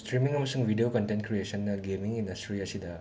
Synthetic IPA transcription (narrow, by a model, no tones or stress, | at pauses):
stɾimiŋɐmɐsuŋbʱidiokɐntentkɾiesɐnːɐɡemiŋindɐstɾiɐsidɐ